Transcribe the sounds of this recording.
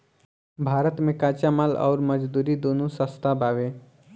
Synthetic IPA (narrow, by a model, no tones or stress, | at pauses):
bʱaːɾət̪mẽkaːt͡ʃamalɔ̰ːɾməd͡ʒd̪uːɾid̪onusəst̪ʰabaʋe